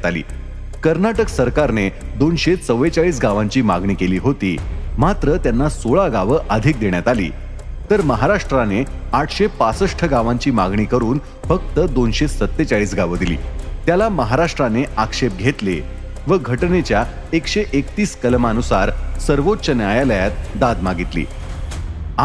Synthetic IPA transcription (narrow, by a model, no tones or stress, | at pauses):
at̪alḭː | kəɾnaʈəksəɾkaɾned̪onɕet͡səʋet͡saɭiːs̬ɡaʋãɲt͡ɕiːmaɡɳiːkeliːɦot̪ḭːmat̪ɾət̪janːasoɭaɡaʋəʔəd̪ʱik̚d̪eɽ̃jat̪alḭː | t̪əɾməɦaɾaʂʈɾane | aʈʰɕepasəʂʈʰəɡaʋaɲt͡ɕiːmaɡɳiːkəɾuːn | fək̚t̪əd̪onɕesət̪ːet͡ɕaɭiːsɡaʋəd̪ilḭːt̪jalaməɦaɾaʂʈɾaneʔakʂep̚ɡʱet̪le | ʋəɡʱəʈnet͡ɕja | ekɕeʔekt̪iːskəlmanusaɾsəɾʋott͡ɕənjajaləjat̪d̪ad̪maɡit̪lḭː